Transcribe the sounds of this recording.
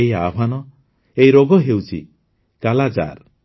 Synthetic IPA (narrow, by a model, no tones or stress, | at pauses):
jabʱanɔ | ejɾoɡɔɦewt͡ʃʰḭ | kalad͡ʒa̰ɾ